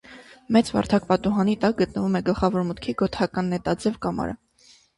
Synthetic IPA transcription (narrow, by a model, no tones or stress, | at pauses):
mɛt͡svɑ̰ɾt̪ʰɑk̚pɑt̪uɦɑnit̪ɑk̚ɡət̪̚nəvumɛɡəlχɑvɔɾmət̪kʰiɡɔt̪hɑkɑnːɛt̪ɑd͡zɛvkɑmɑ̰ɾə̰